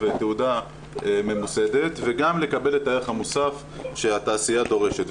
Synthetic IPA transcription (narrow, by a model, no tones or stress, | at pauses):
veteuda | eme̞muse̞d̪e̞t̪veɡamle̞kabe̞letaeeχhamusaf | ʃehataːsijado̞ʁe̞ʃet